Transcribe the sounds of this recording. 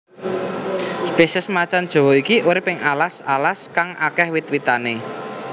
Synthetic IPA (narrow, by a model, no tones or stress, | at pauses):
spesɛsmat͡ʃand̥ʒ̥ɔ̤wɔikiʔuɾɪpɪŋalasalaskaŋʔakɛhwɪt̪̚wit̪ane